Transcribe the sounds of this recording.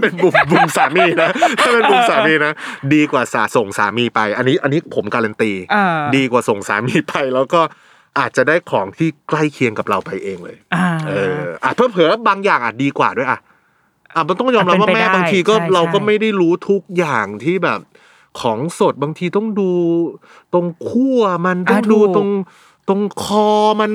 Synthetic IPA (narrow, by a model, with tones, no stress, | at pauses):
pe˧nbu˨˩mbu˨˩msaː˨˩˦miː˧na˦˥t̪ʰaː˥˩pe˧nbu˨˩msaː˩˦miː˧na˦˥diː˧kwaː˨˩saː˩˦so˨˩ŋsa̰ː˩˦miː˧pa˧jʔa˧nːiː˦˥ʔa˧nːiː˦˥pʰo˩˦mkaː˧la˧nt̪iː˧diː˧kwaː˨˩so˨˩ŋsa̰ː˩˦miː˧pa˧jlɛː˦˥wkɔː˥˩ | ʔaː˨˩t̪̚t͡ɕa˨˩daː˥˩jkʰɔː˩˦ŋt̪ʰiː˥˩kla˥˩jkʰi˧əŋka˨˩p̚ɾa˧wpa˧jʔeː˧ŋlɤː˧jʔɤː˧ʔaː˨˩pʰaː˦˥˩pʰɯ˩˦baː˧ŋjaː˨˩ŋʔaː˨˩t̪̚diː˧kwaː˨˩du˥˩˨ʔa̰˨˩ | ʔa˨˧˩ma˧nt̪ɔ˥˩ŋjɔː˧mɾa˥pwa˥pmɛː˥˩baː˧ŋt̪ʰiː˧kɔː˥˩ɾa˧wkɔː˥˩ma˥˩jda˥˩jɾuː˦˥t̪ʰu˦˥k̚jaː˨˩ŋt̪ʰiː˥˩bɛː˨˩p̚ | kʰɔː˩˦ŋso˨˩t̪̚baː˧ŋt̪ʰiː˧t̪ɔ˥˩ŋduː˧ | t̪o˧ŋkʰu˥˩ɐma˧nt̪ɔ˥˩ŋduː˧t̪o˧ŋ | t̪o˧ŋkʰɔː˧ma˧n